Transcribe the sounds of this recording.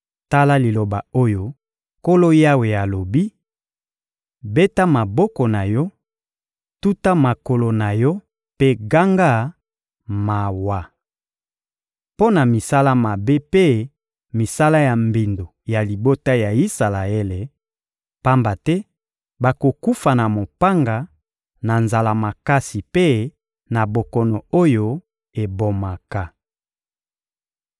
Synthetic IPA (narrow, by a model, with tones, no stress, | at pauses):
ta˦la˦li˨lo˨ba˨o˦jo˦ | ko˦lo˦ja˦we˨a˨lo˨bi˦ | be˦ta˦ma˨bɔ˦kɔ˨na˨jɔ˦ | tu˦ta˦ma˨ko˨lo˨na˨jɔ˦ | pe˦ɡa˦ŋɡa˦ | ma˨wa˨ | po˦na˨mi˨sa˦la˦ma˨be˦pe˦ | mi˨sa˦la˦ja˨mbi˨ndo˨ja˨li˨bo˦ta˦ja˨i˦sa˨la˨e˦le˨ | pa˦mba˨tɛ˦ | ba˨ko˨ku˦fa˨na˨mo˨pa˦ŋɡa˨ | na˨nza˨la˨ma˨ka˦si˨pe˦ | na˨bo˨kɔ˨nɔ˨o˦jo˦ | e˨bo˨ma˨ka˨